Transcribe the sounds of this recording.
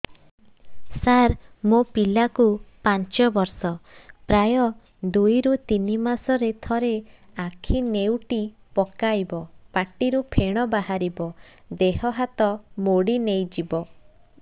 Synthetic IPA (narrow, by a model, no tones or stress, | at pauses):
saɾmopilakupant͡ʃɔbɔɾsɔpɾajɔ | d̪ujɾut̪inimasɔɾet̪ʰɔɾeakʰinewʈi | pɔkajbɔpaʈiɾupʰeɽ̃ɔbaɦaɾibɔ | d̪eɦɔɦat̪ɔmoɽinejd͡ʒibɔ